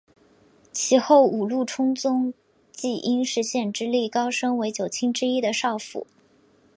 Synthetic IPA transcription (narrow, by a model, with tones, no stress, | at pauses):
t͡ɕʰi˧˥xo˥˩ʊʔu˨˩lu˥˩ʈ͡ʂʰʊ˥ŋt͡sʊ˥ŋ | t͡ɕi˥˩ʔi˥nʂɻ̩˧˥ɕjɛ˥˩nʈ͡ʂɻ̩˥li˥˩kɑ˥ʊʂɤ˥ŋwe˧˥ɪt͡ɕjo˨˩ʊt͡ɕʰi˥ŋʈ͡ʂɻ̩˥i˥d̪ə˨ʂɑ˥˩ʊfṵ˨˩˦